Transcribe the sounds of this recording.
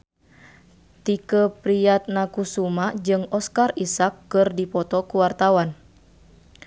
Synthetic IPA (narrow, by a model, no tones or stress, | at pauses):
t̪ikəpɾiat̪̚nakusumad͡ʒɨŋɔskarisakːɨrdipɔt̪ɔkuwart̪awan